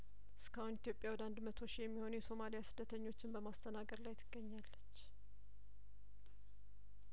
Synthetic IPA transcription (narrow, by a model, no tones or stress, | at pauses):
ʔɨskʰəhʊnit̪jo̞pʼjawɔd̪and̪mət̪ʰo̞ʃijɛmːiho̞nujɛso̞malijasɨd̪ːət̪ʰəɲːo̞t͡ʃːɪnbəmast̪ʰənaɡəɾlajt̪ʰɨɡ̥ːəɲːalːət͡ʃː